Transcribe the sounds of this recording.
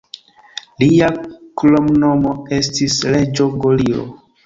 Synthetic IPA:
liaklomnomoe̞stisle̞d͡ʒo̞ɡolio̰

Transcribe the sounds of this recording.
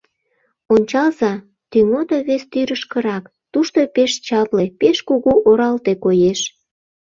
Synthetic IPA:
onʲt͡ɕɑlzɑ | t̪yŋod̪oβest̪yɾəʃkə̆ɾɑk | t̪uʃt̪opeʃt͡ɕɑplepeʃkuɣuʔoɾɑlt̪ekojeʃ

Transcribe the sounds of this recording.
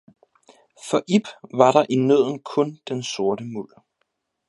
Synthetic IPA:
fɒ̽ʔib̥ʋɑ̈ɾɑ̈ʔinøð̞̰ˠn̩kʰɔ̽nd̥enso̝ɐɾəmul̰

